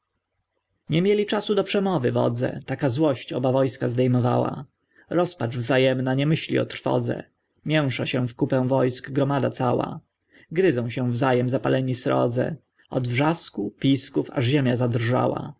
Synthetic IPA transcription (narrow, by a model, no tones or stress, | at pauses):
ɲɛmʲjɛlʲit͡ʂasud̪ɔpʂɛmɔvɘvɔ̰d̪zɛ̰t̪akazwɔɕt͡ɕɔbavɔjskazd̪ɛjmɔva̰wa̰ | ɾɔspat͡ʂvzajɛmnaɲɛmɘɕlʲḭɔ̰t̪ɾ̥fɔ̰d̪zɛ̰ | mʲjɛw̃ʂaɕɛ̃fkupɛ̃w̃vɔjskɡɾɔmad̪at̪sawa̰ | ɡɾɘzɔ̃w̃ɕɛ̃vzajɛmzapalʔɛɲisɾɔ̰d̪zɛ̰ | ɔd̪vʐaskupʲiskufa̰ʐʑemʲjazad̪rʐa̰wa̰